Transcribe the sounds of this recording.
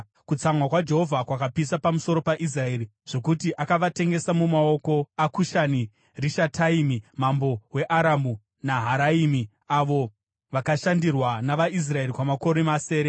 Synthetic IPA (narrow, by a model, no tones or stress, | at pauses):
kut͡samwakwad͡ʒe̞ɦo̞vʱakwakapisapamuso̞ɾo̞paʔis̬rae̞ːɾi | ʐ̥o̞kutiʔakaʋate̞ŋɡe̞samumao̞ko̞akuʃani | riʃatʰaiːmimambo̞we̞ʔaɾamu | naɦaɾaiːmi | aʋo̞ | ʋakaʃandirwanaʋaʔis̬rae̞rikwamako̞ɾemase̞ːɾe